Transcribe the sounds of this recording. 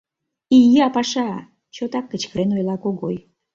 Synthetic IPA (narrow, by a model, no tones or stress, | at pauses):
ijɑpɑʃɑ | t͡ɕot̪ɑkːət͡ɕkəɾenojlɑkoɣoj